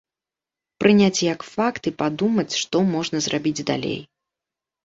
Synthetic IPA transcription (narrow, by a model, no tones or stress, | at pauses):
pɾɨnʲat͡sʲjɐkfakt̪ɨpad̪umɐt͡sʲʂt̪ɔmɔʐnɐzrʔabʲid͡zʲd̪a̰lʲḛj